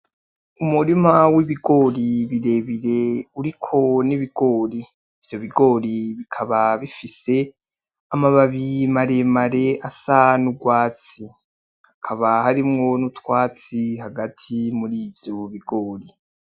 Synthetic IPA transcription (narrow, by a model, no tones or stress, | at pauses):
umuɾimawiβiɡo̞ːɾiβiɾe̞ːβiɾe̞uɾikʰo̞niβiɡo̞ːɾiː | v̥jo̞βiɡo̞ːɾiβikʰaβaβifise̞ | amaβaβimaɾemaɾe̞ʔasanuɡwaːt͡si | hakʰaβahaɾimŋo̞nutwaːt͡siɦaɡatʰimuɾivjoβiɡoːɾi